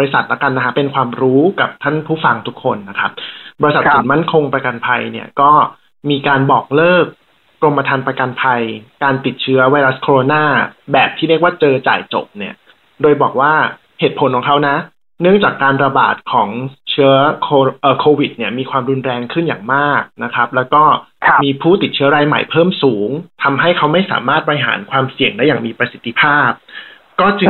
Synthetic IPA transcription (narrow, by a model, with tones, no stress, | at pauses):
ɔ˧ɾi˧sa˨˩t̪̚la˦˥ka˧nːa˦kʰa˦˥pe˧nkʰwaː˧mɾuː˦˥ka˨˩p̚t̪ʰa˥˩npʰuː˥˩fa˧ŋt̪ʰu˦˥kʰːo˧nːa˦˥kʰa˦˥p̚bɔ˧i˧sa˨˩t̪̚su˨˩nma˥˩nkʰo˧ŋpɾa˧ka˧npʰa˧jni˥˩ɐkɔː˥˩ | miː˧kaː˧nbɔː˨˩k̚lɤː˥˩k̚ː | ɾo˧mpa˧t̪ʰa˧npɾa˧ka˧npʰa˧jkaː˧nt̪i˨˩t̪̚t͡ɕʰɯ˦˥ɐwa˧jɾa˦˥skʰoː˧oː˧naː˥˩bɛː˨˩p̚t̪ʰiː˥˩ɾi˥˩ək̚waː˥˩t͡ɕɤː˧t͡ɕa̰ː˨˩jt͡ɕo̰˨˩p̚ni˥˩ɐ | doː˧jbɔː˨˩k̚waː˥˩ | heː˨˩t̪̚pʰo˩˦nkʰɔː˨˩˦ŋkʰa˦˥wna˦˥ | nɯ˥˩əŋt͡ɕaː˨˩kːaː˧nɾa˧ba̰ː˨˩t̪̚kʰɔː˩˦ŋt͡ɕʰɯ˦˥ɐkʰoː˧ʔəː˨˩kʰoː˧wi˨˩t̪̚ni˥˩ɐmiː˧kʰwaː˧mɾu˧nɾɛː˧ŋkʰɯ˥˩nja̰ː˨˩ŋmaː˥˩k̚na˦˥kʰɾa˦˥p̚lɛː˦˥wkɔː˥˩miː˧pʰuː˥˩t̪i˨˩t̪̚t͡ɕʰɯ˦˥ɐ˥ɾaː˧jma̰˨˩jpʰɤː˥˩msuː˩˦ŋt̪ʰa˧mɦa˥˩jkʰa˦˥wma˥˩jsa̰ː˩˦maː˥˩t̪̚bɔ˧jɦa̰ː˩˦nkʰwaː˧msi˨˩əŋda˥˩jaː˨˩ŋmiː˧pɾa˧si˨˩t̪ʰːi˧pʰaː˥˩p̚ | kɔː˥˩t͡ɕɯ˧